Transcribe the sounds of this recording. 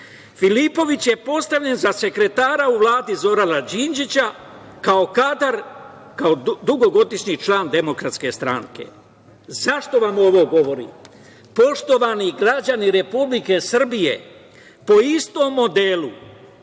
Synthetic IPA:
filipo̞ʋit͡ɕje̞po̞st̪aʋʎe̞nzase̞kɾe̞t̪aːɾauʋlaːd̪izo̞ɾanad͡ʑind͡ʒit͡ɕa | kao̞kad̪aɾ | kaod̪uɡo̞ɡo̞d̪iʃɲit͡ʃlaːnd̪e̞mo̞kɾat̪ske̞st̪ɾaŋke̞̰ | zaʃt̪o̞ʋamo̞ʋo̞ɡo̞ʋo̞ɾḭ | po̞ʃt̪o̞ʋaniɡɾad͡ʑaniɾe̞publike̞sr̩bije̞̰ | po̞ist̪o̞ːmːo̞d̪elu

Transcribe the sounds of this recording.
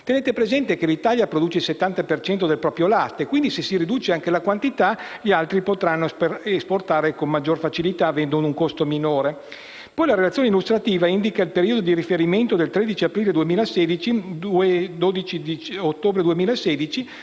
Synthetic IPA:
t̪eneːt̪epɾezɛnt̪ekelit̪aʎjapɾod̪uːt͡ʃeilset̪ːant̪apert͡ʃɛnt̪od̪elpɾɔːpɾjolast̪ekwind̪isesiɾid̪uːt͡ʃeaŋkelakwant̪it̪aʎialt̪ɾipot̪ɾanːosesport̪aːɾekommad͡ʒːorfat͡ʃilit̪aːvɛnd̪onuŋkost̪ominoːɾe | pɔjlaɾelat̪sjoːneilːust̪ɾat̪iːvaind̪ikailpeɾiːod̪od̪iɾifeɾiment̪od̪elt̪ɾed̪it͡ʃiapɾiːled̪uemiːlaseːd̪it͡ʃid̪ued̪od̪it͡ʃid̪it͡ʃot̪ːoːbɾed̪uemiːlaeseːd̪it͡ʃi

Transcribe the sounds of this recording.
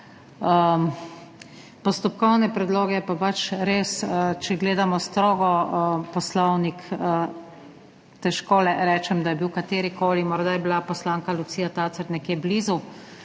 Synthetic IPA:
ə | pɔst̪ɔpkɔwnɛpɾɛd̪loːɡɛɛpapat͡ʃɾeːsət͡ʃɛɡleːd̪amɔst̪ɾoːɡɔpɔslɔwnikə | t̪ɛʃkoːlɛɾɛːt͡ʃɛmd̪ajɛbiwkat̪eːɾikoːlimɔɾd̪ajɛbilapɔslaːŋkalusiːjat̪aːt̪səɾnɛkjeːbliːzu

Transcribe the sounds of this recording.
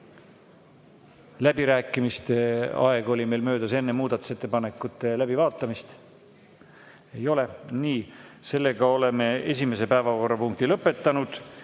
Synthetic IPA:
læbiɾæːkːˑimist̪eɑ̰e̞ɡ̥o̞lʲime̞jlmø̞ːd̪̥ɑse̞nːemuːd̪ɑt̪u̥se̞t̪ːepɑne̞kːˑut̪ːˑe̞læb̥ivɑːt̪ːˑɑmist̪ | ejo̞le̞niːse̞lːe̞ɡ̥ɑo̞le̞me̞e̞s̬ʲime̞se̞pæevɑko̞rːɑpuŋk̚t̪ilɤ̞pːˑe̞t̪ːɑnud̪̥

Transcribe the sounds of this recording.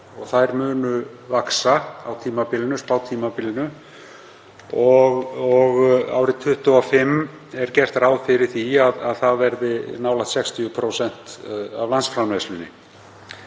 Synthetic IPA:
ɔɣθaðɛɾmʏːnʏvaksaawt̪ʰiːmapɪlɪnʏspaːwt̪ʰiːmapɪlɪnʏ | ɔɣɔɣa̰ːwɾɪt̪ʰʏht̪uafɪmː | ɛɾ̥cɛr̥t̪ɾaːwðfɪɾɪɾ̥θiaðaðθaðvɛɾðɪnaːwlat̪sɛkst̪ʰiʏpʰɾoːsɛn̥t̪a̰vlansfɾamlajslʏnːɪ̰

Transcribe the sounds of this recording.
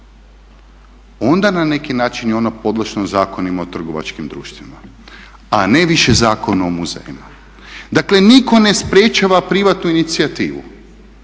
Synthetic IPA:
o̞nd̪anane̞kinaːt͡ʃinjeo̞napo̞d̪lˠaʃnozaːko̞nimaot̪r̩ɡo̞ʋa̰t͡ʃkimd̪ɾṵːʃt̪ʋima̰ | ane̞ʋiʃezaːkonaomuzḛːjima | d̪akle̞niko̞ne̞spɾjet͡ʃaʋapɾiʋat̪nuinit̪siat̪iːʋṵ

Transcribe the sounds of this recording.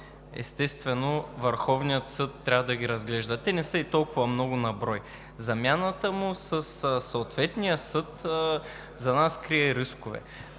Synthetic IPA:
ɛ̰st̪ɛst̪vɛnovəɾxɔvnijət̪sɤt̪ːɾʲavɐd̪ɐɡʲiɾɐzɡlɛʒd̪ət̪ɛnɛsɤit̪ɔlˠkʊvɐmnɔɡʊnɐbɾɔj | zɐmjanət̪əmʊsəssːoːt̪vɛt̪nijəsɤt̪ | zɐnaskɾiɛɾiskʊvɛ̰

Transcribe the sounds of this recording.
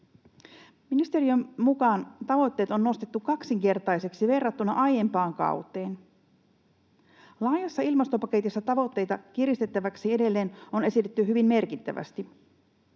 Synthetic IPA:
minist̪e̞ɾiømmukɑːnt̪ɑʋo̞t̪ːeːt̪o̞nːo̞st̪et̪ːukɑksiŋke̞rt̪ɑjse̞ksiʋe̞rːɑt̪ːunɑʔɑje̞mpɑːŋkɑ̰wt̪ˑe̞ːn | lɑːjɑsːɑilmɑst̪o̞pɑke̞t̪isːɑt̪ɑʋo̞t̪ːe̞jt̪ɑk̟iɾist̪e̞t̪ːæʋæksie̞de̞lːe̞ːno̞ne̞sit̪et̪ːyɦyʋimme̞rkit̪ːæʋæ̰st̪i

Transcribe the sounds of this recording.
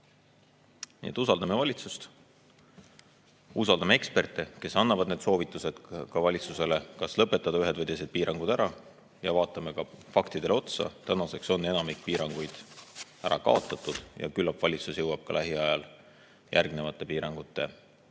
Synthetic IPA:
nḭet̪ːˑusɑld̪ɑme̞vɑlʲit̪sust̪ | us̬ɑld̪ɑmee̞kspe̞rt̪ˑːeke̞sɑnːɑvɑd̪ne̞d̪so̞ːvit̪ːˑuse̞d̪̥kɑvɑlʲit̪suse̞le̞kɑslɤpːe̞t̪ːˑɑd̪̥ɑyɦe̞d̪vɤjd̪ese̞d̪̚piːɾɑŋɡ̥ud̪æɾɑ | jɑvɑːt̪ːˑɑme̞kɑfɑkt̪id̪̥e̞lo̞t̪sɑ̰t̪ænɑse̞kso̞nːe̞nɑmikːpiːɾɑŋɡ̥ujd̪̥ | æɾɑ̰kɑ̰o̞t̪ːˑɑt̪ːˑud̪̥jɑ̰kylːɑpvɑlʲit̪susjɤwɑb̥̚kɑlʔæɦiɑjɑl | jʔæ̰rɡ̥ne̞vɑt̪ːˑe̞piːɾɑŋɡ̥ut̪ˑːe̞

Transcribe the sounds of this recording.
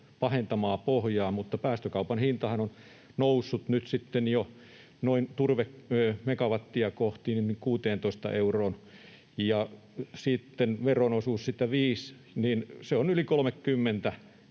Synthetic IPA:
pɑhent̪ɑmɑːpohjɑːmut̪ːɑpæːst̪økɑupɑnhint̪ɑhɑnon | nousːut̪nyt̪sit̪ːenjo | noint̪urʋekːmekɑʋɑt̪ːiɑkoht̪ininikuːt̪eːnt̪oist̪ɑ̰ʔeuroːn | jɑ | siˑt̪ːenʋeronosuːssit̪ːæʋiːs | ninseonylikolmekkymːent̪æ

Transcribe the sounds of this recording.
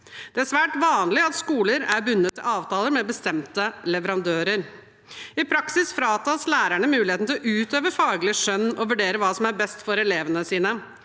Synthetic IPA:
d̪̥ɛæsʋæːʈʋɑːnlɪɑt̪skuːləɾæɾbʉnːət̪ʰːɪlɑːʋt̪ʰɑːləɾmɛbəst̪ɛmt̪əlɛʋəɾɑnd̪øːɾəɾ | ɪpʰɾɑksɪsfɾɑːt̪ɑslæːɾæɳəmʉːlɪheːt̪n̩t̪ɪlɔʔʉːt̪øːʋəfɑːɡlɪəʂœnːɔʋʉɖeːɾəʋɑːsɔmæɾbɛst̪fɔɾɛleːʋənəsiːnə

